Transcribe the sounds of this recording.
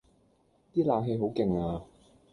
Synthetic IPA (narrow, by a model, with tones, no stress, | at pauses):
t̪iː˥laː˨˧ŋɦe˧jɦo˨˥wkɪ˨˧ŋaː˧